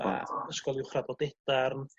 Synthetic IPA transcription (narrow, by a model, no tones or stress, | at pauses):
a̰əskɔlˠɪʊχrabɔdɛd̥arn